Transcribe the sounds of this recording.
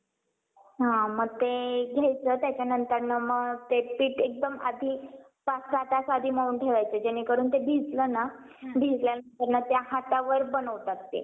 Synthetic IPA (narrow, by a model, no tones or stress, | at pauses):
ɦãməɡ̚t̪eɡʱjajt͡səːt̪jat͡ɕjanənt̪əɾnəməɡt̪epiːʈek̚d̪əma̰d̪ʱiː | pasat̪asad̪ʱiːməuːnʈʰeʋajt͡səːd͡ʑañikəɾuːnt̪ebʱid͡zləna | bʱid͡zljanənt̪əɾnət̪jaɦat̪aʋəɾbənəʋʈət̪ːḛ